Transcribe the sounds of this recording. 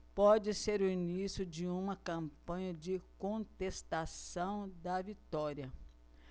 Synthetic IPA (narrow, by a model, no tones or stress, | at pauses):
pɔd͡ʒɪseɾuinisjʊd͡ʒɪũmɐkɐ̃mpɐ̃ɲɐd͡ʒɪkõnt̪est̪asɐ̃w̃d̪ɐvit̪ɔɾjɐ